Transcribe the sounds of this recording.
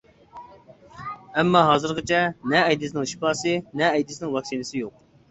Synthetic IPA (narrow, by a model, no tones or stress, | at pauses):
ɛmːɑɦɑːzɨɾqət͡ʃʰɛnɛːjd̪ɪs̬nɪŋʃi̥pɑːsɨnɛːjd̪ɪsnɪŋwɑkʲsinɨsɪjoq̚